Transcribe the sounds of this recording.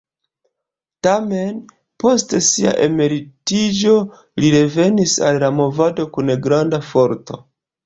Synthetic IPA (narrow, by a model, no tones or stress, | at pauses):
tame̞n | po̞stesia̰ʔe̞me̞ɾitid͡ʒo̞ | liɾe̞ve̞nisa̰lːamo̞vado̞kuneɡɾandafo̞ɾto̞̰